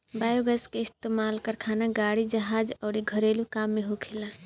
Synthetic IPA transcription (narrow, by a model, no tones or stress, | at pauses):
bajoɡəskeɪst̪emalkəɾkʰanaɡaɽid͡ʒəɦad͡ʒɔɾiɡʱəɾelukamːeɦokʰila